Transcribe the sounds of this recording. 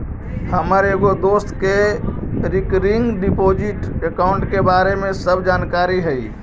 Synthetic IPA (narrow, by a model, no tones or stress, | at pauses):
həməɾeɡod̪ost̪ke | ɾikɾiŋɡɖipod͡ʒiʈekaʊɳʈkebaɾemẽsəbʱd͡ʒankaɾiɦəi